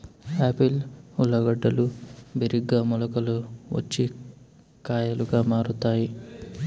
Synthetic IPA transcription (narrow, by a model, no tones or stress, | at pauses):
aːpilulːɐɡɐɖːɐlubeɾiɡːaːmulɐkɐluʋɐ̰t͡ʃːi | kaːjɐluɡaːmaːɾut̪aːji